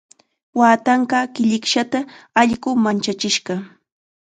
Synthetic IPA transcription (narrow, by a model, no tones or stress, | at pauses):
waːt̪ɑɴɢɑːkɪʎɪkʃat̪aaʎɢʊmant͡ʃat͡ʃɪʃɢɑ